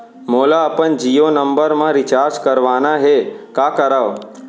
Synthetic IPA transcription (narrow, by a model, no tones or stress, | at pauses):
moːlaəpənd͡ʒijonəmbəɾmãɾɪt͡ʃaɾd͡ʒkəɾʋanaɦekakəɾaʋ